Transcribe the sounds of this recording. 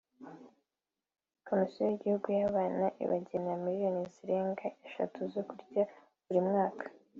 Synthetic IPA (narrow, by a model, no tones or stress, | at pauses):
kʰo̞misijojiɟihuɡujaβaːnaʔḭβa̰ɟe̞namiɾijo̞niziɾe̞ːŋɡaʔe̞ʃa̰tʰuzo̞kuɾɟa | βuɾimŋaːkʰḁ